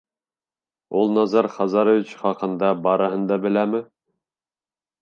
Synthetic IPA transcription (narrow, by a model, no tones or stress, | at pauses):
ulˠnɑzɑɾχɑzɑɾŏvʲit͡ɕχɑqɤ̆nd̪ɑbɑɾɤ̆ɦɤ̆nd̪ɑbɘ̆læmɘ